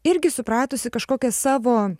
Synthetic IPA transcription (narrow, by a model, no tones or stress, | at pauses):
ɪɾʲɡʲɪsʊpɾɑːt̪oːsʲɪkɐʃkoːkʲɛsɑːʋoː